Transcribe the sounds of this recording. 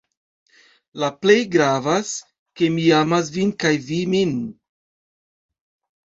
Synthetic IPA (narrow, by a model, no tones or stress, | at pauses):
laple̞jɡɾavas | ke̞miamas̬vinkajvimin